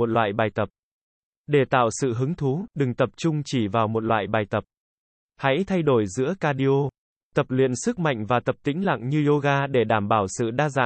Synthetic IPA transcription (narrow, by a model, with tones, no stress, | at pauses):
o˨˩t̚lwa̰ː˧˨jɓaː˨˩jt̪ə˨˩p̚ | ɗe˧˩t̪a̰ː˧˨wsɨ̰˧˨ɦɨ˨˦ŋt̪ʰu˨˦ɗɨ˨˩ŋt̪ə˨˩p̚t͡ɕʊ˧ŋ͡mt͡ɕi˧˩vaː˨˩wmo˨˩t̚lwa̰ː˧˨jɓaː˨˩jt̪ə˨˩p̚ | ha̰˧˥jt̪ʰa˧jɗo˧˩jzɨ̰˧˥əkaː˧ɗi˧ʔo˧ | t̪ə˨˩p̚lwḭ˧˨ənsɨ˦˥k̚ma̰˧˨jŋ̟vaː˨˩t̪ə˨˩p̚t̪ï˧˥ŋ̟la̰˧˨ŋɲɨ˧zo˧ɣaː˧ɗe˧˩ɗaː˧˩mɓaː˧˩wsɨ̰˧˨ɗaː˧za̰ː˧˨